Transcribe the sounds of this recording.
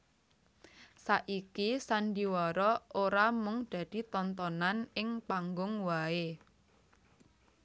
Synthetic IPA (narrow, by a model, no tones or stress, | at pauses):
saʔikisandiwɔɾɔoɾamʊŋd̥a̤d̥i̤t̪ɔnt̪̬ɔnanɪŋpaŋɡʊŋwae